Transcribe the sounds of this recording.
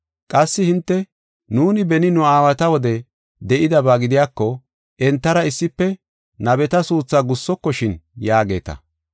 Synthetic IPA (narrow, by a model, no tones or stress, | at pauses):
kʼɐsːɪhɪnt̪ːɛ | nuːnɪbɛnɪnʊaːwɐt̪ɐwɔd̪ɛ | d̪ɛʔɪd̪ɐbaːɡɪd̪ɪjaːkːɔ | ʔɛnt̪ːɐɾɐɪsːɪpːɛ | nɐbɛt̪ɐsuːt͡sːaɡʊsːɔkːɔʃɪnjaːɡe̞ːt̪ɐ̰